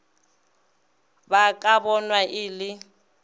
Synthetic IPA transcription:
bakʼabɔnwaʔɪlɪ

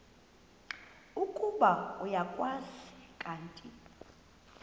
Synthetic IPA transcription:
ukʼuɓaɔjakʼwazi̥kʼaːntʼi

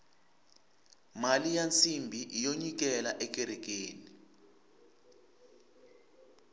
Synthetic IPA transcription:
malijant͡sʰʼimbʱiʔijoɲik̬ɛlaʔɛk̬ʼɛɾɛk̬eːni

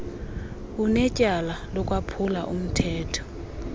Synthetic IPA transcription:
unɛcʼalalɔkʼwapʰula̰ʔum̩tʰɛːtʰɔ̥

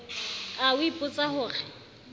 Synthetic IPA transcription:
aʊipʼʊt͡sʼahʊːɣɛ

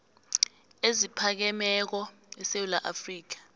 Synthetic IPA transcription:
ezipʰak̬ɛmɛk̬ɔ | ɛsewulaʔafriːk̬ḁ

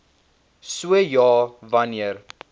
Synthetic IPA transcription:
suəjɑːvɐniər

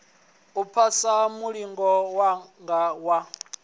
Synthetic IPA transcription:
upʰasamuɺiŋɡɔwaŋɡawa

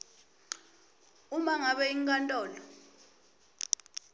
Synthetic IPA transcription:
umaŋaɓɛiŋkʼantʼɔːlɔ

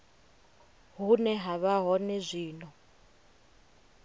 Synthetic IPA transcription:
ɦunɛɦaβaɦɔnɛzʷiːnɔ

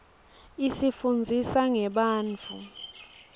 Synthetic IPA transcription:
isifund͡zʱisaŋɛɓaːnt͡fʰṵ

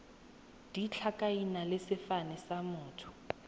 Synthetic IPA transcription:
d̥it͡ɬʰakʼainalɪsɪfanɛsamʊːtʰʊ̥

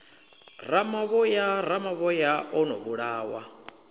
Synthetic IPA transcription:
ramaβɔjaɾamaβɔjaʔɔnɔ̰βuɺaːwa̰

